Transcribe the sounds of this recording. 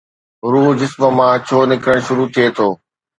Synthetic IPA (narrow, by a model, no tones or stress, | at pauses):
ɾuːɦd͡ʑɪsmə̆mãːt͡ɕʰoːnɪkəɽ̃ʃʊɾut̪ʰiet̪ʰoː